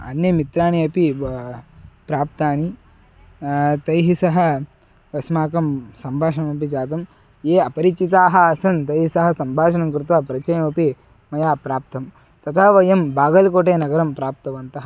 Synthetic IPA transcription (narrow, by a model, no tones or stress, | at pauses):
ɐ̰njɐmit̪ɾaːniɐpi | pɾaːp̚t̪aːni | t̪ɐjɦisɐɦɐ̆ | ʋɐsmaːkɐmsɐmbʱaːʂɐnɐmɐp̬id͡ʒaːt̪̬ɐm | jeːɐpɐɾit͡ʃit̪̬aːɦɐ̆ɐsɐnt̪ɐjɦisɐɦɐ̆sɐmbʱaːʃɐnɐmkɾɪt̪ʋaːpɾɐt͡ʃɐjɐmɐpi | mɐjaːpɾaːp̚t̪ɐm | t̪ɐt̪ʰɐʋɐjɐmbaːɡɐlkoːʈ̬eːnɐɡɐɾɐmpɾaːp̚t̪ɐʋɐnt̪ɐɦɐ